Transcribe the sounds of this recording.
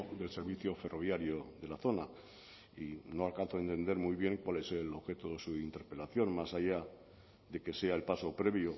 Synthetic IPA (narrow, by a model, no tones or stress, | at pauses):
ðe̞lseɾβiθjofe̞rʔo̞β̞jaɾjoðe̞laθo̞na | ino̞alkan̟θoent̪e̞nd̪e̞ɾmujβje̞ŋkwale̞se̞lo̞βxe̞t̪oðesuint̪e̞ɾpe̞laθjo̞nmasaja | ðe̞ke̞se̞ae̞lpaso̞pɾe̞βjo